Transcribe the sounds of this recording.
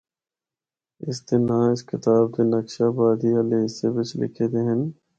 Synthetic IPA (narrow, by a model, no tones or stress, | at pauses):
ɪsd̪ɪnɦãːɪskɪt̪aːbd̪enɐkʃaːbaːd̪iɐleːɪsːebɪt͡ʃʰlɪ̰kʰeːd̪eːɦən